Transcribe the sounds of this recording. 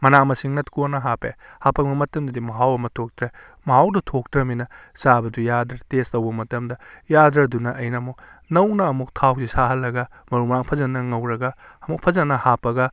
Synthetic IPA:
mɐnamɐsiŋnɐtkonɐɦapehapːɐbɐmɐtɐmdɐdimɐɦawɐmɐtʰok̚tɾe | mɐɦawdɐtʰok̚tɾɐminɐ | sabɐdujadɾɐɾtestɐwbɐmɐtɐmdɐjadɾɐdunɐʔɐjnɐmunɐwnɐːmuk̚tʰawsisaɦɐlːɐɡɐ | mɐɾumaŋpʰɐzɐnːɐŋɐwɾɐɡɐɐmuk̚pʰɐzɐnːɐhapːɐɡɐ

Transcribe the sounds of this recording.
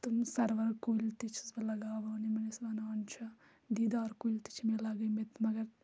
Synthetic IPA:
t̪umsɐɾʋɐɾkolʲt̪it͡ʃʰisbɐlɐɡaːʋɐːnimɐnesbɐnaːnt͡ʃʰɐ | d̪iːd̪aːɾkuilʲt̪i̥t͡ʃʰmelɐɡɐmet̪mɐɡɐɾ

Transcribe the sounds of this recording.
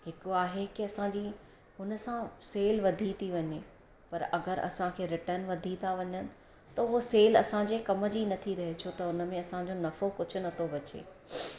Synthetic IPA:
ɦɪkoaːɦekɪɐsãːd͡ʑiː | ɦʊnəsãseːlʋɐd̪ʱit̪ʰiʋɐɲe | pɐɾɐ̰ɡəɾɐ̰sãkʰeːɾɪʈəɾnʋɐd̪ʱit̪ʰaʋɐɲənɪ̆ | t̪ɐʊɦoseːlɐsãd͡ʑekɐmə̆d͡ʑinɐt̪ʰiɾɐɦet͡ɕʰoːt̪ɐʊnə̆mẽɐsãd͡ʑonɐfokʊd͡ʑʰʱʊ̆nɐt̪ʰobɐt͡ɕḛː

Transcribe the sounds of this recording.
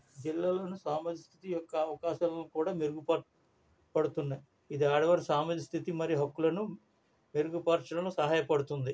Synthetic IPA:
d͡ʒilːaːloːnusaːmɐd̪ist̪ʰi̥t̪ijɔkːɐːʋɐkaːʃɐllokuːɽaːmeɾuɡupɐ | pɐɽut̪unːɐi | id̪iaːɽɐʋɐɾsaːmɐd̪ist̪ʰit̪imɐɾiɦɐkːulɐnu | meɾuɡupaːɾt͡ʃɐnɐloːsɐɦaːjɐpɐɽut̪und̪i

